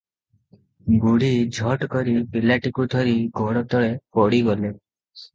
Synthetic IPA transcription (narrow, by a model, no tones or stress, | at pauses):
ɡuɽid͡ʒʱɔʈkɔɾibilaʈikud̪ʱɔɾiɡɔɽɔt̪ɔɭepɔɽiɡɔle